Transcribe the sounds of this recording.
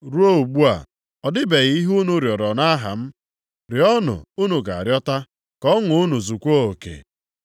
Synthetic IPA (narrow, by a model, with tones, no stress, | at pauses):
ɾu˦o˦u˨ɡ͡bu˦a̰˨ | ɔ˨dɪ˦be˨ɣi˦ɦu˦nu˦ɾjɔ˨ɾɔ˨na˦ɦa̰˨m̩˦ | ɾɪ˨ɔ˦nʊ̰˨u˦nu˨ɡa˨a˨ɾjɔ˦ta˦ | kɔ˦ŋʊ˨ʊ˦nu˨zu˨kʷo˦o˨kḛ˨